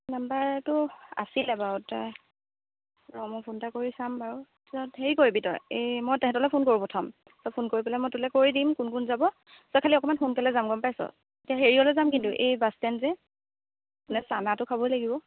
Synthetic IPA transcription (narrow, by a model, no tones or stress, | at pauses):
nambaɹtʊa̰silɛbaɔta | ɹɔmɔpʰuntakoɹisambaɹu | sɔtheɹikoɹibitɔ̰jejmɔjtɛɦɛtɔlɛpʰonkoɹipɔtʰɔm | sɔpʰonkoɹipɔlɛmɔjtulɛkoɹidimkʊnkunzabɔ | sɔkʰaliɔkɔmanpʰonkɛlɛzamɡɔmpajsɔ̰ | etiaɦeɹiɔlɛzamkintʊʔejbastɛnzɛ | nɛsanatʊkʰabɔjlaɡibɔ